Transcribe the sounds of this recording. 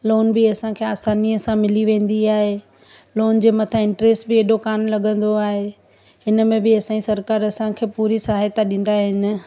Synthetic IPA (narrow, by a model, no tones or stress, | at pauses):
loːnbɪɐsãkʰeaːsaːniəsãmɪliʋẽːn̆d̪iaːɦe | loːnd͡ʑeːmɐt̪ʰãɪ̃ɳʈɾeːsʈbɪeːɗokaːmlɐɡʱə̃nd̪oaːɦe | ɦɪnə̆mẽbɪɐsãĩsɐɾkaːɾɐsãkʰeːpuːɾisaɦet̪aɗĩːnd̪aɦɪnɪ̆